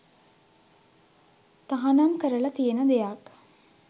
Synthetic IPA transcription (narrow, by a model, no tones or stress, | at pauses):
t̪aɦanamkəɾəlat̪ijenəd̪ejak